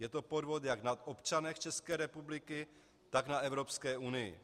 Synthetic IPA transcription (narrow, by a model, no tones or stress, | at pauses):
jɛt̪o̞po̞d̪vo̞t̪jaɡnat̪ʔopt͡ʃanɛxt͡ʃɛskɛːɾɛpublɪkɪ | t̪aɡnaɛvɾo̞pskɛːunɪjɪ̰